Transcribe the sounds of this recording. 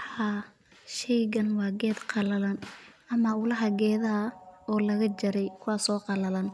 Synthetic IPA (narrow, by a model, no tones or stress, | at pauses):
haː | ʃɛjɣɐnwɑːɡɛːd̪qɑlɐlɐnʔɐmɐʊlɐɦɐɡɛːðɐɐɔːlɐɣɐd͡ʒɐɾɛjkʰʊwɑːsɔːqɑlɐlɐn